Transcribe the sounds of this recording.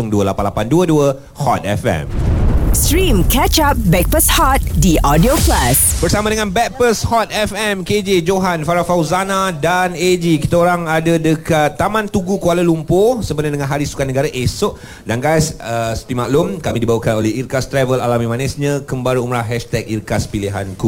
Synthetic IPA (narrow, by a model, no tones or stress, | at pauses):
ʊŋduəlapanlapanduəduə | hɔt̪̚ɛ̰fɛ̰mstɾĩmkɛt͡ʃap̚bɛk̚pəshɔt̪̚diʔɔdioklasb̥ərsamadəŋãnbɛk̚pəshɔt̪̚ɛfɛmked͡ʒed͡ʒoɦanfaɾafawzanadaned͡ʒikit̪aoɾaŋadədəkat̪ːamãnt̪uɡukualalumposəmbənadəŋãnɦaɾisu̥kaʔnəɡaɾaʔesʊʔ | danɡajsəsə̥t̪imaʔlʊmkamidibawakanolɛhirkast̪ɾɛvəlalamĩmanɛsɲãkəmbaɾəumɾaɦɛʃt̪ɛk̚irkaspiliɦa̰nku